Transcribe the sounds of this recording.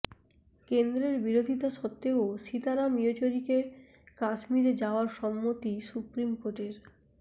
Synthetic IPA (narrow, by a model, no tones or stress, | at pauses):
kend̪ɾeɾbiɾod̪ʱit̪aʃɔt̪ːeoʃit̪aɾamiot͡ɕoɾike | kaʃmiɾed͡ʑaoaɾʃɔmːot̪isupɾimkoɾʈeɾ